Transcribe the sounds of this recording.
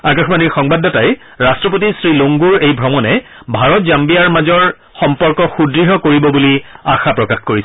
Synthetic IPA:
akaxmaniɹxɔŋbadːɔtaj | ɹastɹɔp̬otisɹiloŋɡuɹejbʱɹɔmɔnɛ | bʱaɹɔt̚zambijaɹmazɔɹ | xɔmpɔɹkɔxudɹiɦɔkoɹibɔbuliaxapɹɔkaxkoɹisɛ

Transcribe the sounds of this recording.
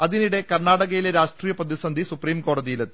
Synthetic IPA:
ɐðiniɽe̞kɐrɳaːɽɐɣɐjileɾaːʂʈriːjɐprɐðisɐnd̪ʱisupriːmko̞ːɽɐðijilet̪ː

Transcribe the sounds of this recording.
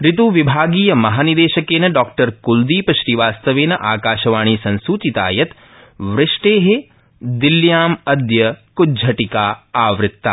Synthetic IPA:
ɾɪt̪uːʋibʱaːɡiːjɐmɐɦaːnid̪eːʃɐkeːnɐɖɔːk̚ʈɐɾkuld̪iːpɐʃɾiʋaːst̪ɐʋeːnɐʔaːkaːʃɐʋaːɳ̃iːsɐ̃nsuːt͡ʃ̪it̪a̰ːjɐt̪ | ʋɾɪʂʈeːɦe | d̪iljaːmɐd̪jɐkud͡ʒʱɐʈikaːaːʋɾɪt̪ːa̰

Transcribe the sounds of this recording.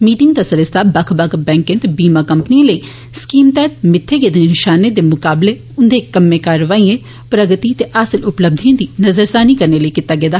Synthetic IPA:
miːʈɪ̃ŋ̚d̪aːsəɾəsɪ̥t̪ʰaːbəkʰbɐkʰbɛ̃ːŋkɪ̃nt̪biːmaːkəmpnijãləiː | skiːmt̪ɛːt̪̚mɪt̪ʰːeːɡeːd̪nenɪʃaːneːd̪eːmʊkaːbleː | ʊnd̪eːkəmːẽːkaːɾəʋaːiːẽː | pɾəɡət̪it̪eʔaːsəlʊpləb̚d̪ʱiãːd̪iːnəzəɾsaːniːkəɾneːləikɪt̪ːaːɡeːd̪a

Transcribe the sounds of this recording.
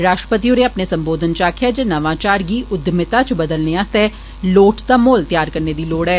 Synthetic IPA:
ɾaːʃʈɾəpət̪̬ioɾeɐpnesə̃mboːd̪ʱənt͡ʃaːkʰijad͡ʒenɐʋãːt͡ʃaːɾɡiːʊd̪ʱmɪt̪at͡ʃbəd̪əlneaːst̪ɛ | loːʈd̪aːmoːlt̪jaːɾkəɾned̪iːloːɽɦɛː

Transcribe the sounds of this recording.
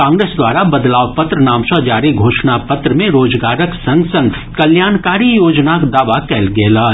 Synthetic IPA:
kãːŋɡɾeːsd̪waːɾabɐd̪laːwpɐt̪ɾənaːmsɔd͡ʒaːɾiɡʱoːʃnapɐt̪ɾəmẽɾoːd͡ʒɡaːɾəksɐ̃ŋɡsɐ̃ŋɡ | kɐljaːnkaːɾijoːd͡ʒnakd̪aːʋakɛːlɡɛːlaː

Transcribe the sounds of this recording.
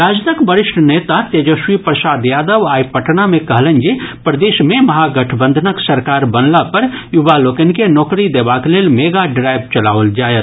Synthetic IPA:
ɾaːd͡ʒnəkbəɾɪʃʈʰneːt̪at̪ed͡ʒoʃwipɾəsaːd̪jaːd̪əʋaːipəʈnamẽkɐɦlə̃nd͡ʒipɾəd̪eːʃmẽmɐɦaɡəʈʰbə̃nd̪ʱənəksɐɾkaːɾbənlapɐɾjubaloːkenkenɔːkɾid̪eːbakleːlmeːɡaɖɾaːjbt͡ʃɐlaːʋəld͡ʒaːjət̪

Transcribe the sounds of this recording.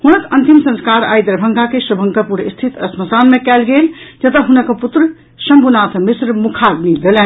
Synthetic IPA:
hunək̪ʰənt̪imsə̃nskaɾajd̪əɾbʱəŋkakesəbʱə̃ŋkəpuɾḭst̪ʰit̪ə̰sməsanmekɛlɡeld͡ʒət̪əɦunəkput̪ɾə | səmbʱunat̪ʰmisɾmukʰaɡnid̪elɛn

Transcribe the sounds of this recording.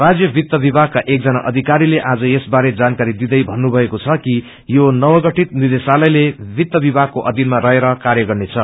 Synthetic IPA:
rad͡zjʌbʱit̪ːʌbibʱaɡ̚kaʔek̚d͡zʌnaʔʌd̪ʱikaɾileʔad͡zʌjesbaɾed͡zankaɾid̪id̪ʌjbʱʌnːubʱʌekot͡sʰʌki | jonʌwʌɡʌʈit̪nird̪esalʌjlebʱit̪ːʌbibʱaɡ̚koʔʌd̪inmaɾʌɦeɾʌkarjʌɡʌrnet͡sʰʌ

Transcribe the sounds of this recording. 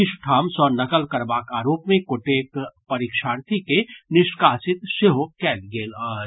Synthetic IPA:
ɪʃʈʰaːmsɔːnɐkəlkɐɾbaːkaːɾoːpmẽkoʈeːkpɐɾiːkʃaːɾt̪ʰikenɪʃkaːsɪt̪ʃɪɦokɛːlɡeːlɔːɾ

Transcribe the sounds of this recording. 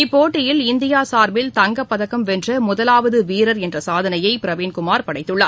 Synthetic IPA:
ɪpːoːʈːɪjɪlɪnd̪ɪjaːsaːɾbɪlt̪ɐŋɡɐpːɐðɐkːɐmʋɛndrɐmʊðɐlaːʋɐðɯʋiːɾɐɾɛndrɐsaːðɐnɐjɐɪpɪɾɐʋiːnkʊmaːɾpɐɽɐɪt̪ːɯɭːɐːɾ

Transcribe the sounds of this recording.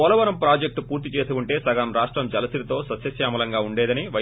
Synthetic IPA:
ɔːlɐʋɐnɐmpɾaːd͡ʒek̚ʈpuːɾt̪̬it͡ʃe̞ːsuuɳʈe̞ːsɐɡɐɐmɾaːʂʈɾɐmd͡ʒɐlɐsiɾit̪o̞ːsɐt̪sjɐsjaːmɐlɐŋɡaːuɳɖeːd̪ɐniʋɐ

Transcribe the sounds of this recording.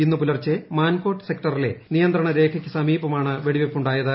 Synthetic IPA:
inːupulɐrt͡ɕːɨmaːnko̞ːʈːɨ̥se̞kʈɐrile̞̰nijɐnd̪rɐɳɐɾe̞ːkʰɐkʲːɨsɐmiːbɐmaːɳɨʋeɽiʋepːuɳɖaːjɐðɨ

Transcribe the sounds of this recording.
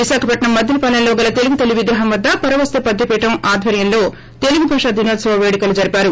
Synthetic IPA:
ʋiʃaːkʰɐpɐʈɳɐmːɐd̪ʱjɐlipɐlɐlloːɡɐlɐt̪e̞luɡut̪eluʋiɡ̪ɾɐɦɐmʋɐd̪ːɐpɐɾɐʋɐst̪ɐpɐd̪ʱjɐpɛːʈɐmaːd̪ʱʋɐɾjɐnlo̞ː | t̪e̞luɡubʱɐːʂad̪inod̪sɐʋɐʋeːɽikɐlud͡ʒɐɾipaːɾu

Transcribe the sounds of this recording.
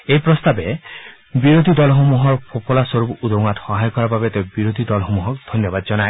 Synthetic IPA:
ejpɾɔst̪abe | biɾod̪ʱid̪ɔlɔɦomuɦɔɾpʰopʰɔlasoɾupud̪ow̃ŋat̪hɔɦajɔkɔɾababet̪ɔbiɾod̪ʱid̪ɔlɔɦomuɦɔk̚d̪ʱɔnjɔbad̪̚d͡ʒɔnae

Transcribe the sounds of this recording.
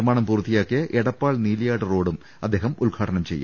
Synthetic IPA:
rmaːɳɐmpuːrt̪ːijaːkːijɐʔeɽɐpːaːɭniːlijaːɽɐro̞ːɽum | ɐd̪ːe̞ːɦɐmulɡʱaːʈɐɳɐmt͡ɕe̞jːa̰

